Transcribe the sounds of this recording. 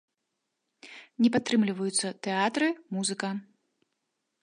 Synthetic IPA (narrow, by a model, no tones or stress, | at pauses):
nʲɛpat̪ːɾɨmlʲivɐjut̪sːɐt̪ɛat̪ɾɨmuzɨkɐ